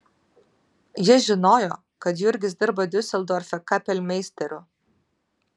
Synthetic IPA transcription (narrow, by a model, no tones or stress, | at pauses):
jɪɛʒʲɪnoːjoː | kɐt̪jʊɪɾʲɡʲɪsd̪ʲɪɾbɐd̪ʲʊsʲɛlˠd̪oːɾʲfʲɛkɐpʲɛlʲmʲɛɪsʲt̪ʲɛɾʲʊ